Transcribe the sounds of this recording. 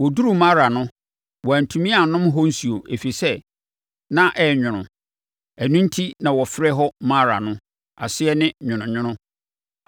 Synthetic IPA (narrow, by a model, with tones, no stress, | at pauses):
wɔ˨du˦ɾu˨mã˦ɾa˨nʊ̃˦ | wɔ˨æ˨n̩˨tʰũ˨mĩ˦a˨nʊ̃˦mɦɔ˦n̩˦su˨o˨ʔe˨fi˨sɛ˦ | nã˦ʔɛ˦ɲᶣʊ̃˨nʊ̰̃˨ | æ˨nũ˦n˦tʰi˦nã˨wɔ˨fɪ˦ɾɛ˦ɦɔ˦mã˦ɾa̰˨nʊ̃˦ | a̰˨sɪ˦ɛ˦nɪ̃˦ɲʊ̃˨nʊ̃˨ɲᶣʊ̃˦nʊ̃˦